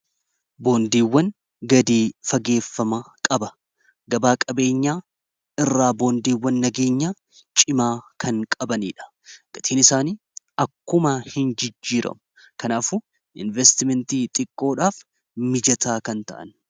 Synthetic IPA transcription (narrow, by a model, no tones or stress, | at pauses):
bo̞ːnd̪iːwːɐn | ɡɐd̪iːfɐɡe̞ːfːɐmɐkʼɐbɐ | ɡɐbaːkʼɐbe̞ːɲːaː | ɪrːaːbo̞ːnd̪iːwːɐnːɐɡe̞ːɲːaː | t͡ʃʼɪmaːkʰɐŋkʼɐbɐnḭːᶑɐ̥ | ɡ̥ɐt̪iːnɪsaːniː | ɐkːʊmɐhɪnd͡ʒɪd͡ʒːiːɾɐ̰mʊ | kɐnaːfʊ | ʔɪ̰nvɛst̪ɪmɛnt̪iːt̪ʼɪkʼːo̞ːᶑaːf | mɪd͡ʒɐt̪aːkɐnt̪ɐ̰ʔɐ̰n